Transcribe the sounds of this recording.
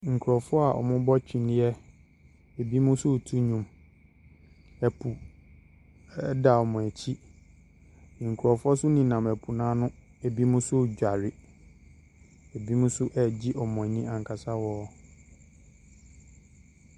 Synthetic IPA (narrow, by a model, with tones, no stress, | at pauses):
ŋ̩˨kʰu˨ɾɔ˨fʊ˦ɔ˦a˨ʔɔ̰˨mʊ̃˦bɔ˦t͡ɕᶣʰĩ˨nɪ̃˦ɛ˦ | ɛ˨bi˦mʊ̃˦sʊ˦˨tʰu˦ɲũ˨m | ɛ˨pʰu˨ | ɛ˦da˨ɔ˨mʊ̃˨æ˨t͡ɕʰi˦˨ | ŋ̩˨kʰu˨ɾɔ˨fʊ˦ɔ˦sʊ˦nĩ˨nã˨m˨ɛ˨pʰu˨nãː˦nʊ̃˦ | ɛ˨bi˦mʊ̃˦sʊ˦˨d͡ʑᶣa˨ɾɪ˨ | ɛ˨bi˦mʊ̃˦sʊ˦ʔɛ˨d͡ʑi˦ʔɔ˨mɔ̃˨ɲĩ˦ã˨ŋ˨kʰa˨sa˦wɔː˦